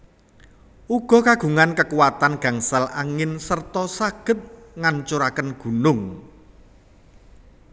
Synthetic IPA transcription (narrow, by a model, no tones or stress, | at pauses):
ʔuɡ̥ɔ̤kaɡ̥uŋankəkuwat̪anɡ̥a̤ŋsalʔaŋɪnsərt̪ɔsaɡ̥ə̤t̪̚ŋaɲt͡ʃuɾakənɡ̥ṳnʊŋ